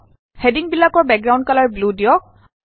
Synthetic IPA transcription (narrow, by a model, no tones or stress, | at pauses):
hediŋbilːakɔɹbɛk̚ɡɹaw̃ndkalaɹbludiɔk̚